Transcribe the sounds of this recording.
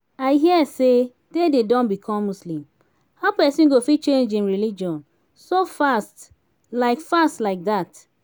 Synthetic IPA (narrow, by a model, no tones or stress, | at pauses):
aɪɦiɛse | dededɔ̃nbikʰɔ̃mːuslĩm | haʊpɛsĩnɡofit͡ʃẽnd͡ʒĩmɹilid͡ʒiɔ̃n | sofast | laɪkfastlaɪk̚ðat